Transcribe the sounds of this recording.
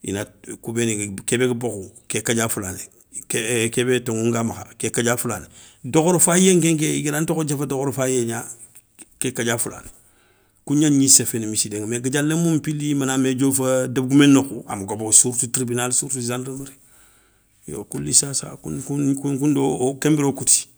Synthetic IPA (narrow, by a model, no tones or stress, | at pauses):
ḭnakubenikebeɡəbokukekaɟafulane | kekebetoŋuŋɡamaxa̰kekaɟafulan | dokoɾufajeŋk̬eŋk̬eiɡilantokod͡ʒafadokoɾfajeɲa | kekaɟafula̰ːn | kuɲaɲisefenemisideŋmeɡəd͡ʒalːemumpilimanamed͡ʒofadabɡumenːokua̰maɡobosuɾtutɾibinalsuɾtuzandɾmɾi | jo̰kulːisasa̰kṵkukukundokembiɾokuti̥